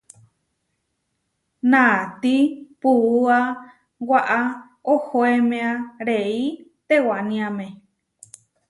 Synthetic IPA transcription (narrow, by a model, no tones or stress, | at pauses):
nãt̪ipuua | waʔa | ohoemẽãɾeit̪ewanĩãmẽ